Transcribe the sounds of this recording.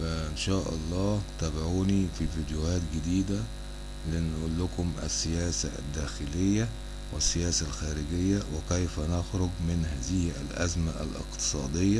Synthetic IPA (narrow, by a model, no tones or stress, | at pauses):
fæʔɪnʃæːʔɑlˤːɑːt̪æbaʕuːnififiːd̪jʊhæːt̪ɡɪd̪iːd̪æ | lɪnʔuːlːʊkʊmʔæ̰sːɪjæːsa̰æ̰d̪ːæːxɪlɪjːæ | wɪsːɪjæːsælxæːɾɪɡɪjːæwɪkæjfænaxɾʊɡmɪnɦæːzɪhæ̰lʔæ̰zmæʔæ̰lʔɪ̰qt̪ɨ̥sˤɑːd̪ejːæ